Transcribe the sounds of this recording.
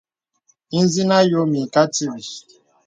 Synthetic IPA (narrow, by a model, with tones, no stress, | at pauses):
i˦n˦zi˦na˦jo˦mi˨ka˦ti˦˨bi˨